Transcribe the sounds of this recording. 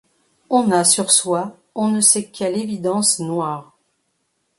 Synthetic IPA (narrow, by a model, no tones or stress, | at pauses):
ɔ̃nasyʁswa | ɔ̃nəsɛkʲʰɛlevid̪ɑ̃snwaːʁ